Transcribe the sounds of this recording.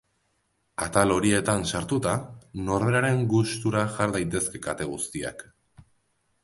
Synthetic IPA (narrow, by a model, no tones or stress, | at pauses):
at̪alo̞ɾie̞t̪ansaɾt̪ut̪ano̞ɾð̞eɾaɾe̞ŋɡust̪uɾaʝaɾðajt̪e̞ske̞kat̪e̞ɣ̞ust̪ia̰k